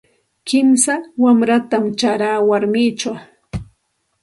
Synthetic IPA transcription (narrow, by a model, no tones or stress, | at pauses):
kɪmsawamɾat̪amt͡ʃaɾaːwaɾmɪːt͡ʃaw